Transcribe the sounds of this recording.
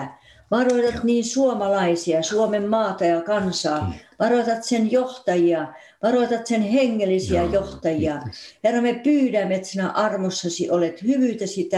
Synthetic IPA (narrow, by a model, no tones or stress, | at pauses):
ʋɑroit̪ɑt̪niːnsuomɑlɑisiɑsuomemːɑːt̪ɑjɑkɑnsɑːʋɑroit̪ɑt̪senjoht̪ɑjiɑ | ʋɑroit̪ɑt̪senheŋːelːˑisiæjoht̪ɑjiɑherːɑmepyːɾæmːet̪siːnæʔɑrmosːɑsiʔolet̪hyʋyˑt̪æsit̪æ